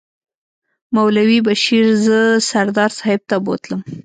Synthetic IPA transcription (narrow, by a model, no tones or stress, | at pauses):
mawlawibaʃiɾzəsaɾd̪ɑɾsɑhɪb̚t̪abo̰t̪ləm